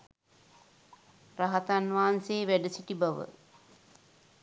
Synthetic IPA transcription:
raɦat̪anʋaːanseːʋæɖəsiʈibaʋə̰

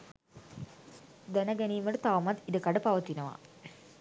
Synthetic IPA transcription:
d̪ɛnɐɡɛniːməɖət̪aʋmat̪id̪əkaɖəpaʋɐt̪inɐʋa̰

